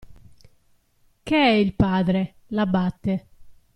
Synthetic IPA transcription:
keɛilpaːd̪ɾe | labat̪ːe

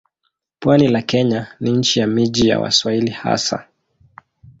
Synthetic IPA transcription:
pwanilakɛɲaniɲ̩t͡ʃijamiʄija̰wa̰swailiha̰sa̰

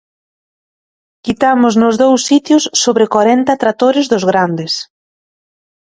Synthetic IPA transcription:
kit̪amʊznʊzðowsːit̪jʊsːoβɾɪkwaɾɛnt̪at̪ɾat̪oɾɪzðʊzɣɾand̪ɪs

